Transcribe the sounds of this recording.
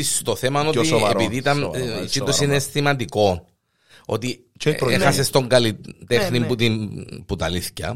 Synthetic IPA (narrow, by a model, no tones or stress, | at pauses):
ist̪oθemɐnotieɾpiðiːt̪ɐnit͡ʃit̪osiineestimɐnd̪iko̞n | o̞̰t̪i | exɐsest̪oŋɡɐlit̪exnimput̪input̪ɐliθcɐ̰